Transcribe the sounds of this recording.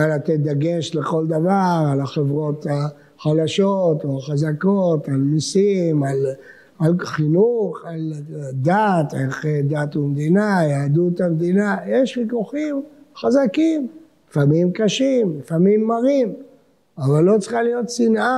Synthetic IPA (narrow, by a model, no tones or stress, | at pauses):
alat̪ed̪aɡeʃleko̞ld̪avaʁalaχevʁo̞t̪a | χadaʃot̪oaχazakot̪alnisimal | alχinuχald̪at̪eχed̪at̪umd̪inajaːd̪ut̪amd̪inajeʃχikuχimχazakimlifamimkaʃimlifamimːaʁim | avalːo̞t͡siχalijo̞t̪sinʔa